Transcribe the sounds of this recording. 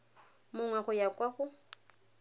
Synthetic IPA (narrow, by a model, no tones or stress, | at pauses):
mʊŋwaχʊjakʼwaχʊ